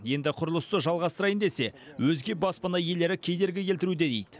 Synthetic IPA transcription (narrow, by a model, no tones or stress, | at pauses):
je̞nd̪ɪqʰʊɾʊlˠəst̪əʒɑlˠʁɑst̪əɾɑjənd̪e̞se̞ | wɵzɡʲe̞bɑspɑnɑje̞le̞ɾɪkʲʰejd̪e̞ɾɡʲɪkʲelt̪ɪɾud̪e̞d̪ejd̪ɪ